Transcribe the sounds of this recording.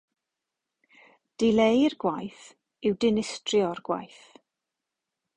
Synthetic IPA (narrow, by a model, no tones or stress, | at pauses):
d̥ɪlejrɡwajθ | ɪwdɪnɪstrjɔrɡ̥wa̰jθ